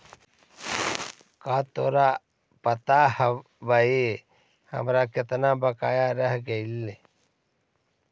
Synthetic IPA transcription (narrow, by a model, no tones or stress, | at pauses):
kaːt̪oːɾa | pət̪ahə | ʋae | hə̰mɾakɪt̪nabəkaːjaɾəɦɡeile